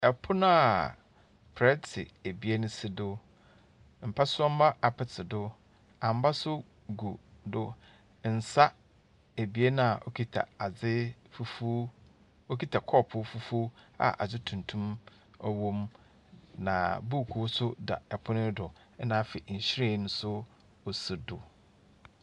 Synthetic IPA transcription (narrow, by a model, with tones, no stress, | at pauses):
ɛ˨pʰʊ˦nʊ̃˦a˨ | pʰɾɛ˦tʰɪ̰˨e˨bi˨˦e˦nʊ̃˦sɪ˦dʊ˦ | m̩˨pʰa˦sʊ˦ɔ˦m̩˦ma˦ʔa˨pʰɪ˨tʰɪ˨dʊ˦ | ã˨m˦ba˦sʊ˦ | ɡu˨dʊ˦ | n̩˨sa˦ | e˨bi˨˦e˦nã˦a˨ʔo˦kʰi˦tʰa̰˨a˨d͡zɪ˦fu˦fu˦ | o˦kʰi˦tʰa˨kʰɔ˦˨pʰʊ˦fu˦fu˦a̰˨ʔa̰˨d͡zɪ˦tʰũ˨n˨tʰũ˦m | ɔ˦wõ˦m | nã̰˨bu˦˨kʰu˨wsʊ˦da̰˨ɛ˨pʰʊ˦nɪ̃˦dʊ˨˦ | nã˦fɪ˨n̩˨ɕɪ˦ɾe˦˨nʊ̃˦sʊ˦ | ɔ˨si˨dʊ˨